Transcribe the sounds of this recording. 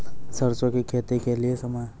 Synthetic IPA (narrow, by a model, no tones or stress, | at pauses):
sɐɾt͡ʃõkekʰeːt̪ekeliesɐmaj